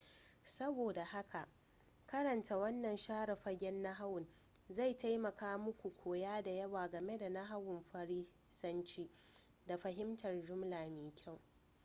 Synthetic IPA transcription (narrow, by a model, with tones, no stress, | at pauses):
sɐ˦boː˨da˨ha˦kʰa˨ʔ | kɐ˦ɾɐ˨nta˨wɐ˦nːɐ˨nʃaː˦ɾɐ˨ɸɐ˨˦ɡʲɛ˦nːɐ˦ɦa˦wʊ˨n | za˦˨jta˦jmɐ˨kaː˦mʊ˦kʷu˨kʷʰoː˨jaː˦da˨jɐ˦waː˨ɡɐ˨me˦da˨nɐ˦ɦa˦wʊ˨mɸɐ˦ɾiː˦sɐ˦nt͡ʃiː˦ | da˨ɸɐ˨ɦɪ˦mtɐ˨rd͡ʒʊ˦mlaː˨miː˨kʲʰa˦˨w